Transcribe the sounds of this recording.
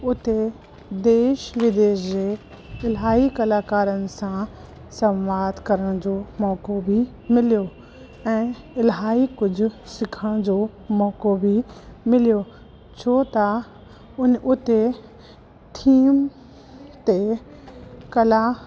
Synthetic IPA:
ʊt̪e | d̪eːʃʋɪd̪eːʃd͡ʑeː | ɪlɦaːikɐlaːkaːɾənɪ̆sã | sɐ̃mʋaːd̪ʱkɐɾəɽ̃d͡ʑoːmɔːkobʱi | mɪljo | ɛ̃ː | ɪlɦaːikʊd͡ʑʱʊsɪkʰəɽ̃d͡ʑoːmɔːkobʱimɪljo | t͡ɕʰoːt̪ɐ | ʊnʔʊt̪e | t̪ʰiːm | t̪e | kɐla

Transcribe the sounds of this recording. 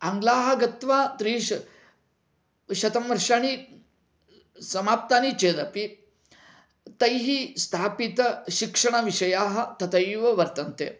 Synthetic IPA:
aŋɡlaːɦɐ̆ɡɐt̪ʋaːt̪ɾiːʂ | ɕɐt̪ɐmʋɐɾʂaːñi | sɐmaːp̚t̪aːnit͡ʃeːd̪ɐpi | t̪ɐjɦiːst̪ʰaːpit̪ɕikʂɐɳ̃ɐʋiʂɐjaːɦɐ̆t̪ɐt̪ɐjʋɐʋɐɾt̪ɐnt̪ḛː

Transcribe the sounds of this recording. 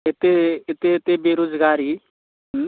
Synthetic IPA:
et̪eet̪et̪ebeːɾoːzɡaːɾi

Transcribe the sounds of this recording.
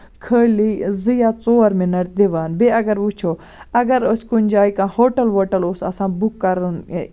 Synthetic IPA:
kʰəɽlizijaːt͡soːɾminɐʈ̚d̪eʋaːnbeɐɡɐɾʋut͡ʃʰoː | ɐɡɐɾoskunʲd͡ʒaːikãːhoːʈɐlɦoːʈɐloːsɐ̰sãːbukːɐɾn

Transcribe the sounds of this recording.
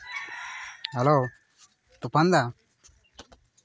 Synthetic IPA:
ɦɛloː | t̪upɐnd̪a

